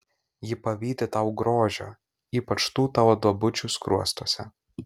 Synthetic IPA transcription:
jɪpɐʋʲiːd̪ʲɪt̪ɐʊɡɾoːʒʲo̰ː | iːpɐt͡ʃt̪uːt̪ɑːʋoːd̪uɔbʊt͡ʃʲuːˑskɾuɔst̪oɔːsʲɛ

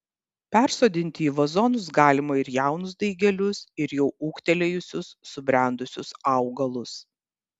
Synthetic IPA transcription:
pʲɛˑɾsoːd̪ʲɪnʲt̪ʲɪiːʋɐzɔnʊsɡɑːlʲɪmɐɪɾjæˑʊnʊzd̪ɐɪɡʲɛlʲʊsɪɾjɛʊʔuːkt̪ʲɛlʲɛjʊsʲʊsːʊbʲɾʲæˑnd̪ʊsʲʊsɐʊɡɐlˠʊs

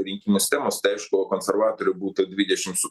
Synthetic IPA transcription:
ɾʲinʲkʲimʊsʲt̪ɛmɔst̪ɛwʃʲkɔɦɔkɔnserʋɑt̪ɔɾʲjʊbut̪ɪd̪ʋʲidʲɐt͡ʃɪmsʊ

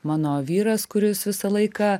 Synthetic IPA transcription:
mɑːnoːʋʲiːɾɐskʊɾʲɪsʋʲɪsɐlˠɐɪkɑː

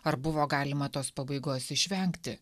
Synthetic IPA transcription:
ɐɾbʊʋoːɡɑːlʲɪmɐt̪oːspɐbɐɪɡoːsɪʃʲʋʲɛŋʲkt̪ʲɪ

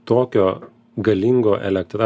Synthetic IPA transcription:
t̪oːkʲoː | ɡɐlʲɪŋɡoːʔɛ̰lʲɛk̚t̪ɾɑ

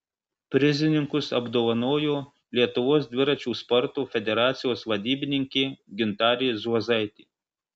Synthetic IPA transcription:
pʲɾʲɪzʲɪnʲɪŋkʊsɐbd̪oːʋɐnoːjoː | lʲiɛt̪ʊʋoːsd̪ʲʋʲɪɾɐt͡ʃʲuːspɔɾt̪uːfʲɛd̪ʲɛɾɑːt̪sʲɪjoːsʋɐd̪ʲiːbʲɪnʲɪŋʲkʲeːɡʲɪnt̪ɑːɾʲezuɔzɐɪt̪ʲiː

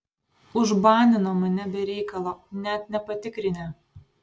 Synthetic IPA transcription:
ʊʒbɑːnʲɪnoːmɐnʲɛbʲɛɾʲɛɪkɐlˠoːnʲɛt̪nʲɛpɐt̪ʲɪkɾʲɪnʲɛ

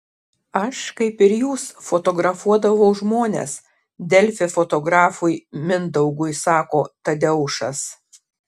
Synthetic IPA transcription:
ɐʃkɐɪpɪɾjuːsfot̪oːɡɾɐfuɔd̪ɐʋɐʊʒmoːnʲḛːs | d̪ʲɛlʲfʲɪfot̪oːɡɾɑːfʊɪmʲɪnd̪ɐʊɡʊɪsɑːkoːt̪ɐd̪ʲɛʊʃɐs

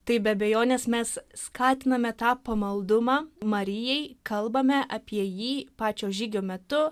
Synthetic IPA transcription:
t̪ɐɪbʲɛɐbʲɛjoːnʲeːsmʲɛsskʰɑːt̪ʲɪnɐmʲɛt̪ɑːpɐmɐlˠd̪ʊmɑːmɐɾʲɪjɛɪkɐlˠbɐmʲɛʔɐpʲiɛjiːpɑːt͡ʃʲoːʒʲiːɡʲoːmʲɛt̪ʊ

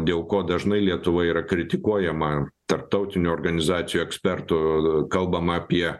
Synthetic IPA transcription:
d̪ʲeːlˠkoːd̪ɐʒnɐɪlʲiɛt̪ʊʋɐiːɾɐkɾʲɪt̪ʲɪkuɔjɛmɐt̪ɐɾp̚t̪ɐʊt̪ʲɪnʲʊɔːrɡɐnʲɪzɑːt̪sʲɪjuːɛksʲpʲɛrt̪ʊkɐlˠbɐmɐɐpʲiɛ

